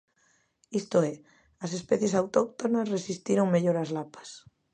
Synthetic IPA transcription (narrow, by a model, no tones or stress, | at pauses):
ist̪oe | ɐsespɛθjesawt̪ok̚t̪onasresist̪iɾoŋmeʎoɾazlapḁs